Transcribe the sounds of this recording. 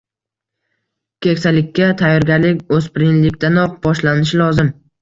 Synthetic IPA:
kʲʰe̞kʲsalɪkʲʰːat̪ʰajːɒɾɡʲaɾlɪkʲɵspɪɾɪnlɪkʲt̪anɒq̚bɒʃlanɪʃ̬ɪlˠɒzɪm

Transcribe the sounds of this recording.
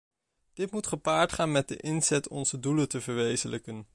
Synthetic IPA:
d̥ɪtmutχəpaːɹtχaːnmɛt̚dəʔɪnzɛtʰɔnzədulətəvəɹʋejzələkən

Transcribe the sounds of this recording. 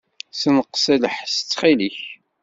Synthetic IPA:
sənəqsæləħsə̥t͡sːχiliç

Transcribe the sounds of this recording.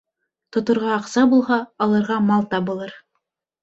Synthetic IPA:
t̪ŏt̪ŏɾʁɑːqsɑbulˠɦɑːlˠɤ̆ɾʁɑmɑlˠt̪ɑbɤ̆lˠɤɾ

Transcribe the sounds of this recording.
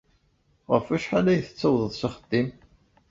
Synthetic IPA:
ʁəfæʃħalæjəθə̥t͡sːəwðˤəðˤsaχəd̪̥ːim

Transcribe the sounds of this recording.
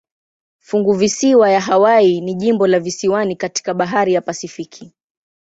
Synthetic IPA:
fuŋɡuvisiwajaɦawainiʄimbɔlavisiwanikati̥kaɓaɦaɾijapasifikʰi

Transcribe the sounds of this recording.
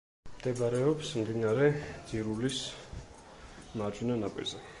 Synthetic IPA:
md̪ɛbɾɛɔpsmd̪inaɾɛd̪ziɾulis | maɾd͡ʒʼunanapʼḭɾzɛ

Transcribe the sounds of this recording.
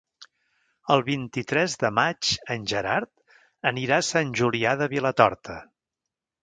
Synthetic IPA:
əlˠβint̪it̪ɾɛzðəmat͡ʃənʲʒəɾaɾt̪ | əniɾasanʲʒuliaðəβilət̪ɔɾt̪ʰə

